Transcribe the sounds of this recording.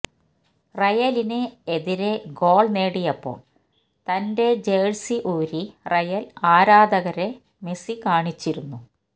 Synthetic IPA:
rɐjɐlinɨeðiɾeɡo̞ːɭne̞ːɽijɐpːo̞̰ːɭ | t̪ɐnde̞d͡ʑejːɻsiʔuːɾirɐjɐlaːɾaːd̪ʱɐɣɐɾe̞ | me̞sikaːɳit͡ɕːiɾunːu

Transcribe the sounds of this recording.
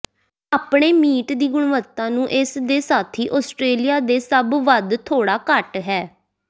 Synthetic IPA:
aːpɳeːmiːʈd̪iːɡʊɽ̃ʋət̪ːãːnũːʔɪsd̪eːsaːt̪ʰiːʔɔːsʈɾeːlijaːd̪eːsəbʋəd̪t̪ʰoːɽaːkəʈɦɛː

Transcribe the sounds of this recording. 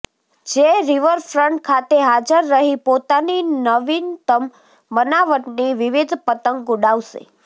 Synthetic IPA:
d͡ʒeɾiʋəɾfɾəɳʈ̚kʰat̪eɦad͡ʒəɾːəɦipot̪aninəʋint̪əmː | ənaʋəʈniʋiʋid̪ʱpət̪əŋɡuɽaʋʃḛ

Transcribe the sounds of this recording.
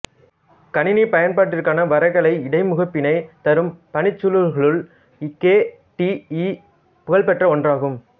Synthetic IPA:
kɐnɪnipɐjɐnpaːʈːɪɾkːaːnɐʋɐɾɐɪɣɐɭɐɪɪɽɐɪmʊɣɐpːɪnɐɪt̪ɐɾɯmpɐnɪt͡ʃːɯlɯlɣɐɭɯɭ | keː | ʈii | pʊɣɐɭpɛʈrɐɔndraːɣɯm

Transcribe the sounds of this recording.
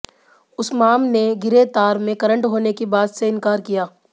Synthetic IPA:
ʊsmaːmneɡɪɾet̪aːɾmẽkɐɾə̃ɳʈɦoːnekibaːd̪seɪ̃nkaːɾkijaː

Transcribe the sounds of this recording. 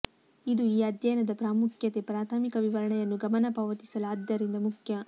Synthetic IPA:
id̪uiːɐd̪jɐjnɐd̪ɐpɾaːmukʰjɐt̪epɾaːt̪ʰaːmikɐʋiʋɐɾɐɳɛjɐnːuɡɐmɐnɐpɐʋɐt̪i̥sɐlaːd̪jɐɾind̪ɐmukʰjɐ

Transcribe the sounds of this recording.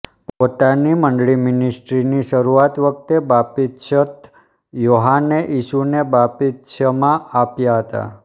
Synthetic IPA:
pot̪animəɳɖɭimɪnisʈɾiniʃəɾuat̪ʋək̚t̪ebapit̪ʃət̪ | joɦanːeʔiʃunebapit̪ʃəmãapjaɦət̪a̰

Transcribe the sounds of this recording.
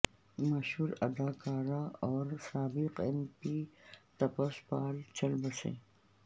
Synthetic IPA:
maʃhuːɾɐ̰d̪akaːɾaɔːɾsaːbiqempit̪ɐpaspaːlt͡ʃɐlbɐsḛ

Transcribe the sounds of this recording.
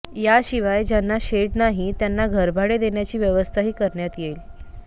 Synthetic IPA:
jaɕiʋajd͡ʑjanːaɕeʈnaɦit̪janːaɡʱəɾbʱaɽed̪eɳjat͡ɕiːʋjəʋəst̪ʰaɦiːkəɾɳjat̪jel

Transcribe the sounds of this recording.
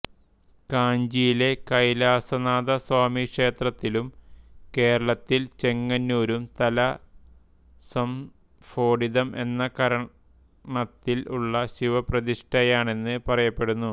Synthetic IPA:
kaːɲd͡ʑijile̞kɐjlaːsɐnaːðɐswaːmikʂe̞ːt̪rɐt̪ːilumke̞ːɾɐɭɐt̪ːilt͡ɕe̞ŋːɐnːuːɾumt̪ɐlɐ | sɐm | fo̞ːɽiðɐmʔe̞nːɐkɐɾɐ | ɳɐt̪ːiluɭːɐɕiʋɐprɐðiʂʈɐjaːɳe̞nːɨpɐrɐjɐpːe̞ɽunːu

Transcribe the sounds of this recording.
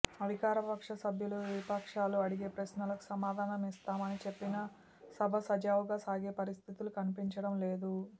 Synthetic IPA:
ɐd̪ʱikaːɾɐpɐkʂɐsɐbʱjuluʋipɐkʂaːluɐɽiɡeːpɾɐʃnɐlɐku̥sɐmaːd̪ʱaːnɐmist̪aːmɐnit͡ʃe̞pːinɐ | sɐbʱɐsɐd͡ʒaːʋuɡaːsaːɡe̞ːpɐɾist̪ʰit̪ulukɐnipiɲt͡ʃɐɽɐmle̞ːd̪u

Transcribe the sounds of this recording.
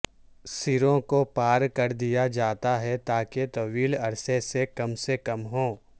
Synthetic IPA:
sɪɾõkopaːɾkɐɾd̪ijad͡ʒaːt̪aɦɛt̪aːket̪ɐʋiːlɐɾsesekɐmsekɐmɦõː

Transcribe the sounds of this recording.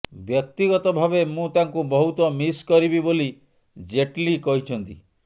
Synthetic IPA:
bjɔk̚t̪iɡɔt̪ɔbʱabemũt̪aŋkubɔɦut̪ɔmiskɔɾibiboli | d͡ʒeʈlikɔɦit͡ʃʰɔnt̪i

